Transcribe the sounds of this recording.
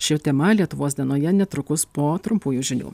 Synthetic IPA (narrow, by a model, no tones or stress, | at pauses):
ʃʲɪt̪ʲɛmɐlʲiɛt̪ʊʋoːsd̪ʲiɛnoːjɛnʲɛt̪ɾʊkʊspoːt̪ɾʊmpuːjuːʒʲɪnʲṵː